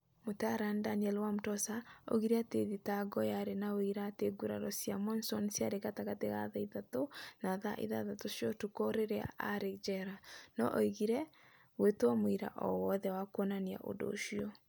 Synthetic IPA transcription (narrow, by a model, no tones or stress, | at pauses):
motaaɾandaniɛlwamotɔsao̰ɣiɾeateðitaɡɔjaɾenaoiɾateɡuɾa̰ɾɔsiamɔnsɔnsjaɾeɣataɣateɣa̰ðaiðatonaðaʔḭðaðatoʃjɔtukoɾeɾea̰ʔaɾed͡ʒɛɾanɔ̰ʔɔiɣiɾɛ | wetamoiɾa̰ʔɔ̰wɔðɛwakwɔnania̰ʔo̰do̰ʃiɔ